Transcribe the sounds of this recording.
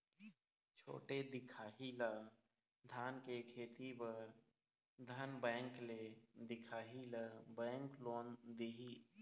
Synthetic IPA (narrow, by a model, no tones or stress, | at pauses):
t͡ʃʰo̰ːʈed̪ɪkʰaːɦila | d̪ʱaːnkekʰeːt̪ipəɾ | d̪ʱənbɛ̃ːŋkled̪ɪkʰaːɦilabɛ̃ːŋkloːnd̪iɦi